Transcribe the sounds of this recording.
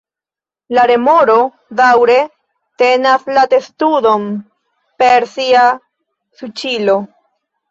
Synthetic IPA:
laɾe̞moɾo̞ | dawɾe̞ | te̞naslate̞studo̞m | peɾsia | sut͡ʃilo̞

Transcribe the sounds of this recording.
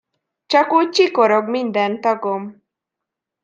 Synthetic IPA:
t͡ʃɒkuːc̚t͡ʃiko̞ɾo̞ɡmind̪ɛnt̪ɒɡom

